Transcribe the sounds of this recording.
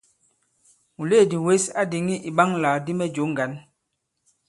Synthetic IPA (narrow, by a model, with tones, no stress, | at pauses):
mu˨le˦˨di˨we˦sa˦di˨ŋi˦ʔi˨ɓa˦ŋla˨di˦mɛ˦d͡ʒo˨˦ŋ˨ɡa˨˦n